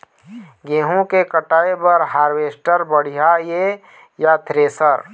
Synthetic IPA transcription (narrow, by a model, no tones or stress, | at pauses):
ɡẽːɦõkekəʈaːebəɾɦaːɾweːsʈəɾbəɽ̤ijaje | jat̪ɾeːsəɾ